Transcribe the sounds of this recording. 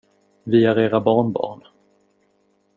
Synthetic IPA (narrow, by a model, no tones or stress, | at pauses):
vɪhaɾeːɾabɑːɳbɑ̰ːɳ